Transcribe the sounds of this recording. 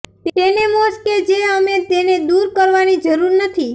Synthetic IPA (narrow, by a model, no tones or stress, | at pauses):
t̪enemosked͡ʒeəmet̪ened̪uɾkəɾʋanid͡ʒəɾuɾnət̪ʰi